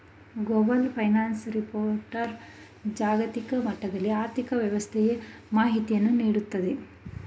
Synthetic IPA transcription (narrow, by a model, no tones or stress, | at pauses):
ɡobɐlpʰɐjnaːnsɾipoːɾʈɐɾ | d͡ʒaːɡɐt̪ikɐmɐʈːɐɡɐɭːiaːɾt̪ikɐʋjɐʋɐst̪ʰɛje | maːɦit̪ijɐnːuniːɽut̪ːɐd̪e